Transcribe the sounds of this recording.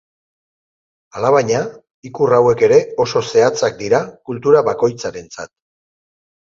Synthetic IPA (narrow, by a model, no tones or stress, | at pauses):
alaβaɲa | ikurawe̞ke̞ɾe̞o̞so̞se̞at͡sak̚d̪iɾakult̪uɾaβako̞jt͡saɾe̞nt͡sa̰t̪̚